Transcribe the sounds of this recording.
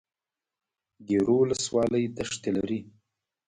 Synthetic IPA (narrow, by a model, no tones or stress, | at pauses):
d̪eɾowləswɑləjd̪aʂt̪ela̰ɾi